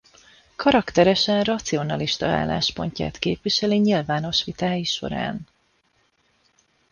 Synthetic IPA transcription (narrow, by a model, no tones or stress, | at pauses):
kɒɾɒkt̪ɛɾɛʃɛnrɒt̪sio̞nɒliʃt̪ɒa̰ːlːa̰ːʃpo̞̰ɲca̰ːt̪keːpʋiʃɛliɲilvaːno̞ʃʋit̪aːjiʃo̞̰ɾa̰ːn